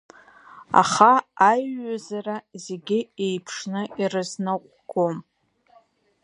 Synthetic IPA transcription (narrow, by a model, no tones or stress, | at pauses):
a̰χaːjazaraze̞ɡʲɪejpʰʂnɨirɨznɨqʷʼɡom